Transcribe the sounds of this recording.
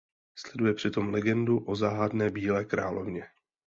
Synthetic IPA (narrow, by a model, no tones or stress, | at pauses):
slɛdujɛpr̝̥ɪt̪o̞mlɛɡɛnduʔo̞zaːɦadnɛːbiːlɛːkɾa̰ːlo̰vɲɛ